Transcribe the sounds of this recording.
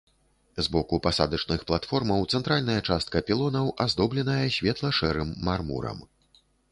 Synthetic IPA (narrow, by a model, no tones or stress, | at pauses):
zbɔkupasa̰d̪ɐt͡ʂnɨxplˠat̪fɔrmɐwt̪sɛnt̪ɾalʲnɐjɐt͡ʂast̪̚kɐpʲilˠɔnɐwʔazd̪ɔblʲɛnɐjɐsʲvʲɛt̪lˠɐʂɛɾɨmːarmṵɾɐ̰m